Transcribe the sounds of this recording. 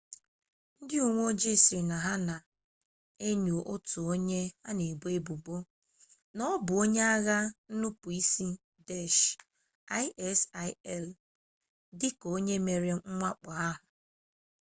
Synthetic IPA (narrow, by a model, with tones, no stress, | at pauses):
n̩˦dɪ˦u˨ŋʷo˦d͡ʒe˦˨si˨na˨ɦa˦na˨ | e˦ɲu˨ʔo˦tu˨o˦ɲe˦a˦ne˨ɡ͡be˦bu˨bo˦ | nɔ˦bʊ˨o˦ɲe˦a˦ɣa˦n̩˦nu˦pu˨i˦si˦ | de˦˨ʃ | a˦ɪ˦ʔɛ˦sa˦ɛ˦˨l | dɪ˦ko˦ɲe˦me˨ɾe˦ŋ̩˦ŋʷa˦k͡pa˨a˦ɦʊ˨